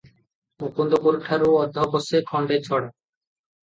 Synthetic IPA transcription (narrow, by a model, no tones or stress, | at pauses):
ukond̪okoɾuʈʰːaɾuɔd̪ʱːɔbosekʰɔɳɖeɾt͡ɕʰɔɽa